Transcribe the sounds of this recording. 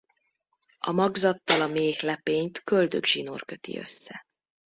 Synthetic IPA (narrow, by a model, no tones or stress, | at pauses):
ɒ̰mɒɡzɒt̪ːɒlɒmeːhlɛpeːɲt̪køld̪øɡʒino̰rkø̞t̪ḭø̞̰sːɛ